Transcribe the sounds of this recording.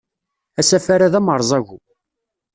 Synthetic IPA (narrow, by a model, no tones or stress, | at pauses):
æsæfaɾaðæməɾˤzˤɑʝu